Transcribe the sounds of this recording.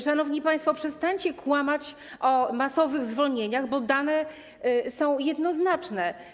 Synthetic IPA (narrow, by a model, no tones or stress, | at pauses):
ʂanɔvɲipajst̪fɔpʂɛst̪aɲt͡ɕɛkwamat͡ɕ | ʔɔmasɔvɘɣzvɔlɲeɲaɣbɔd̪anɛ | sɔ̃w̃jɛd̪nɔznat͡ʂnɛ